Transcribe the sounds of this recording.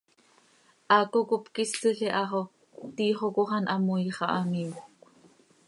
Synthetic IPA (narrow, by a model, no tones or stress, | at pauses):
ʔɑːkokopkisːiɬiʔɑχo | t̪iːχokoχɑnʔɑmujχɑʔɑmiwkʷ